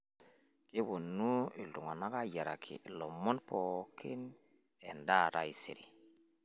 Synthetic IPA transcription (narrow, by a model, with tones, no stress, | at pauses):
ki˦bo˨nːu˦i˨ldu˨ŋa˨na˦ka˦ja˨ɾa̰˨kʰḭ˨lo˨mːo˦npo˨kʰi˦n | e˨nda˦˨ɾa̰˨i˨sḭ˨ɾḭ˨